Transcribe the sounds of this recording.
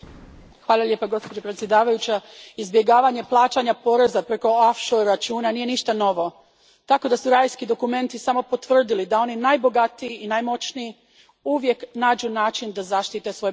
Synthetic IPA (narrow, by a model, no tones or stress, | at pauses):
xʋaːlˠaʎʲje̞ːpaɡo̞spod͡ʑo̞pɾet̪sʲje̞d̪aːʋajut͡ɕaizbje̞ɡaːʋaɲe̞plˠaːt͡ʃaɲapo̞ɾezapɾe̞ko̞afʃoat͡ʃuːnanije̞niʃt̪ano̞ʋo̞ | t̪ako̞d̪asuɾajskid̪o̞kume̞nt̪isamo̞po̞t̪ʋr̩d̪ilid̪ao̞ninajbo̞ɡat̪iiinajmo̞t͡ʃnii | uʋje̞knaːd͡ʒunaːt͡ʃind̪azaʃt̪it̪esʋo̞j